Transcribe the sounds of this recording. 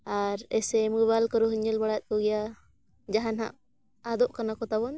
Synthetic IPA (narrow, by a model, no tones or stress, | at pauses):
aɾɛsɛmubalkəɾuɦuɲɛlbaɽat̪̚ˀkɔɡɛja | d͡ʒaɦanɦa̰ʔ | ad̪ɔʔkanakɔt̪abɔn